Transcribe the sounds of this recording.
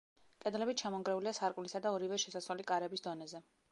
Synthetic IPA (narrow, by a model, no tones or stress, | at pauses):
kʼɛd̪lɛbit̪̚t͡ʃʰamɔŋɡɾɛuliasaɾkʼmlisad̪aɔɾivɛʃɛsaswalikʼaɾɛbisd̪ɔnɛzɛ